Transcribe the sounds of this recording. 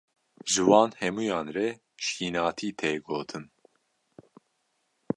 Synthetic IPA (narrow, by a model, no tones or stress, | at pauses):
ʒɨwɑːnhɛmuːjɑːnrɛ | ʃiːnɑːt̪ʰiːt̪ʰeːɡoːt̪ʰɨn